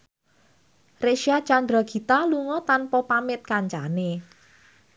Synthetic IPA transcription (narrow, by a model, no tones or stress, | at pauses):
reʃiḁt͡ʃand̪ɾɔɡ̥i̤t̪aluŋɔt̪anpɔpamɪt̪̚kaɲt͡ʃane